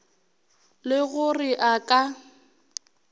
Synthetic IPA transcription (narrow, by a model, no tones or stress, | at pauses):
lɪɣʊrɪʔakʼa